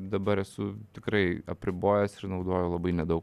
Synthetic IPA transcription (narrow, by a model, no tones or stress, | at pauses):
d̪ɐbɐɾɛsʊt̪ʲɪkɾɐɪɐ̰pʲɾʲɪboːjɛsɪrnɐʊd̪oːjɛʊlˠɐbɐɪnʲɛd̪ɐʊk